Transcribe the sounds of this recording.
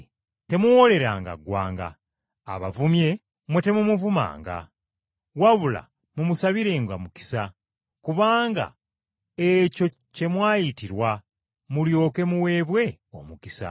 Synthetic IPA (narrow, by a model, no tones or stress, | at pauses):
te̞muwo̞le̞ɾaŋɡa̰ɡwa̰ːŋɡa̰ː | βavumje̞ | mwe̞te̞mumuvuma̰ːŋɡa̰ | waβula̰ | mumusaβiɾe̞ːŋɡamuki̥sa | kuβaːŋɡa̰ | eco̞ | ce̞mwaːjitiɾwa | muljo̞ːke̞muwe̞βwe̞ | o̞̰mukisa̰